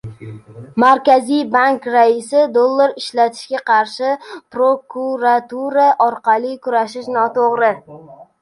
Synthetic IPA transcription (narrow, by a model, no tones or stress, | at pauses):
maɾkʲazijbaŋkɾaɪsɪd̪olˠːaɾɪʃlat̪ʰɪ̥ʃɡʲaqʰɑɾʃɪpɾokʰuɾat̪uɾaʔɒɾqʰɑlˠɪkʰʊɾaʃɪʃnɒt̪ʰoʁɾɪ